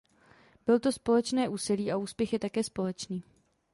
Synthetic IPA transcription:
b̥ɪlt̪o̞spo̞lɛt͡ʃnɛːʔuːsiliːʔauːspjɛxjɛt̪akɛːspo̞lɛt͡ʃniː

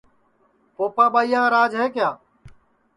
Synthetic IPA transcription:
poːpãːɓaːijãːɾaːd͡ʒɦeːkjaː

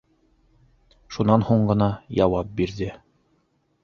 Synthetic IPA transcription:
ʃunɑnhuɴɢɤ̆nɑjɑwɑp̚biɾðɘ

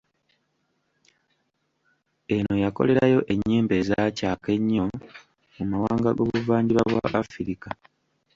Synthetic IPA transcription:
e̞no̞jako̞̰le̞ɾajo̞ʔe̞ɲːeːmbe̞ːzaːcaːke̞ɲːo̞ | umawaːŋɡaɡo̞̰βuvaːɲɟiβaβwa̰ʔafiɾika

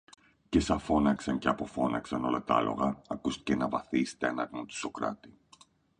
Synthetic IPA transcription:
ce̞sɐfo̞nɐksɐɲceɐpo̞fo̞nɐksɐno̞lɐt̪ɐ̰lo̞̰ɣɐːkust̪i̥cenɐvɐθist̪enɐt̪mut̪i̥so̞kɾɐ̰t̪i

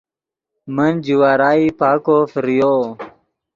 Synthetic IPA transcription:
mənd͡ʑiwaːɾaːipaːkofiɾijoː

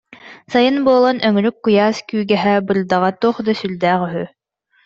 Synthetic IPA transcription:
sajɯnbuɔlˠɔnʔœŋɾykːujaːskyːɡɛɦɛbɯɾd̪aʁat̪uɔχd̪asyld̪æːχyɦy

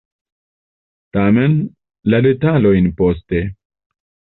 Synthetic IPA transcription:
tame̞n | lade̞talo̞jnpo̞ste̞

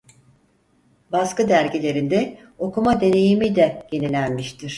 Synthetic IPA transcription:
baskɯd̪æɾɟilʲe̞ɾind̪ɛ | o̞kumad̪e̞ne̞jimid̪ɛje̞nilʲænmiʃt̪ʰiɾ̥

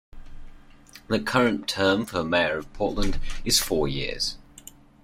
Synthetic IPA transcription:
ðəkʰʌɹə̃ntʰɜːɱfəɹəmɛɪəɹəv̥pʰɔˑʔlə̃ndɪz̥fɔːjɪ̰əz̥

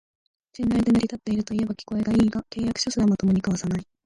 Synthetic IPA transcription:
ɕĩnːaid̪e̞nɯɾʲit̪at̪ːe̞iɾɯ̟t̪o̞ie̞bakʲi̥ko̞e̞ɡaiːɡake̞ːjakɯ̟̥ɕosɨd̪amot̪o̞mo̞ɲ̟ikaβasanai

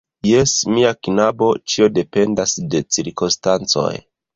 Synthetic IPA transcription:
je̞smiaknabo̞t͡ʃio̞de̞pe̞ndasde̞t͡siɾko̞nstant͡so̞̰j

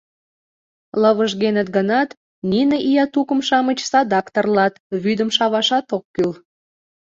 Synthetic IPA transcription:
ləβəʒɣenət̪̚ɡənɑt̪ | ninəʔijɑt̪ukəmʃɑmət͡ɕsɑd̪ɑkt̪ərlɑt̪βyd̪əmʃɑβɑʃɑt̪okːyl

